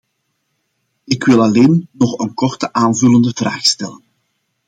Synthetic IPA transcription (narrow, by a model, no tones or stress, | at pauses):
ɪkwɪlˠɑleːnnɔχənkɔrtəʔaːnvɵləndəvra̰ːxstɛlən